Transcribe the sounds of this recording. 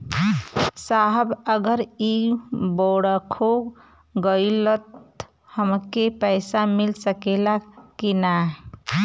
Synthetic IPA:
saɦəbəɡəɾiboɽəkʰo | ɡəjlət̪ | həmkepəɪsamilsəkelakkːinaɦ

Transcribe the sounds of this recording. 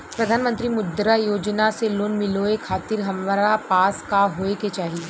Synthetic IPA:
pɾɐd̪ʱaːnmə̃nt̪ɾimʊd̪ɾajoːd͡ʒnaseloːnmɪloekʰaːt̪ɪɾɦɐmʋɾapaːskaɦoːeket͡ʃaːɦie

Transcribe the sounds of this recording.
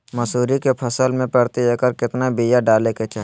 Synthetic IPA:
mɐsuːɾikepʰəsəlmẽpəɽt̪iekəɾkɪt̪nabijaɖaːleket͡ʃaɦ

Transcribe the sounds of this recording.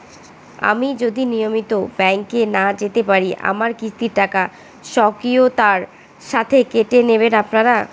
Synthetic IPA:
a̰mid͡ʑod̪inijomit̪obɛŋkenad͡ʑet̪epaɾiʔa̰maɾkit͡ɕʰt̪iɾʈaka | ʃɔkiot̪aɾ | ʃat̪ʰekeʈeneβenapnaɾa

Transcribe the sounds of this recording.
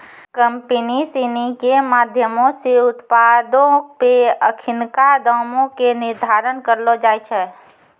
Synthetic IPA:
kəmpənisinikemaːd̪ʱjəmõseʊt̪pad̪õpeəkʰɪnkad̪ɔːmõkenɪɾd̪ʱaɾənkəɾlod͡ʒaːjt͡ʃʰɛː

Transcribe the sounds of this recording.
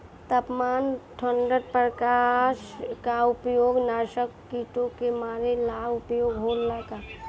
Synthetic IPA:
t̪əpmaːnʈʰəɳɖəɖ̚pɾəkaʃkaʊpjoːɡnaːʃəkːiːʈõkemaːɾelaːʊpjoːɡɦoːllaka

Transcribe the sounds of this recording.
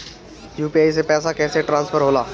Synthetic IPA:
juːpiaːis̬epɛːsakɛːseʈɾãːnsfʰəɾɦoːlaː

